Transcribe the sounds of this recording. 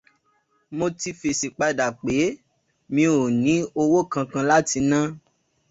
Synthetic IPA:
mo˧ti˧fi˨si˨k͡pa˧da˨k͡pe˨˦ | mĩ˧o˨nĩ˨˦o˧wo˦kã˧kã˧la˦ti˧nã˦

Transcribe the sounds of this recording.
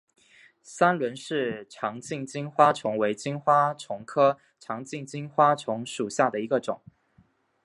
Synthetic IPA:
sa˥nlwə˧˥nʂɻ̩˥˩ʈ͡ʂʰɑ˧˥ŋt͡ɕi˥˩ŋt͡ɕi˥nxwa˥ʈ͡ʂʰʊ˧˥ŋwe˧˥ɪt͡ɕi˥nxwa˥ʈ͡ʂʰʊ˧˥ŋkʰɤ˥ | ʈ͡ʂʰɑ˧˥ŋt͡ɕi˥˧ŋt͡ɕi˥nxwa˥ʈ͡ʂʰʊ˧˥ŋʂu˨˩ɕja˥˩d̪ə˩i˧˥ɡə˧ʈ͡ʂʊ˨˩˦ŋ

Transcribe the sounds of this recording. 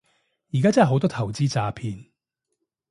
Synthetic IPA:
jiː˨˩kaː˥t͡sɐ˥˨˩ɦo˨˥wt̪ɔː˥t̪ʰɐ˨˩wt͡siː˥t͡saː˧pʰiː˧n

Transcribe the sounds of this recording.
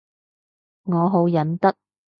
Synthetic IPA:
ŋɔː˨˧ɦo˨˥wjɐ˨˥nt̪ɐ˥k̚

